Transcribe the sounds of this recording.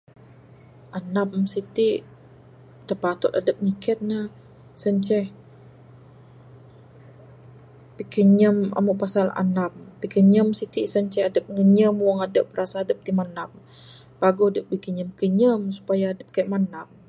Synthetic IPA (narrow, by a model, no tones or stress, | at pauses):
ʔanamsit̪iʔ | t̪ərpat̪ʊt̪adəp̚ŋikʰət̪̚nah | səɲt͡ʃɛh | pikəɲəma̰muʔpasala̰nap̚pikəɲəmsit̪iʔsəɲt͡ʃɛhadəp̚ŋəɲəmwaŋadəp̚ːəɾasaːdəp̚t̪imanam̚ | paɡoadəp̚bikəɲəmkəɲəmsu̥pajaːdəp̚kajʔ̪manam̚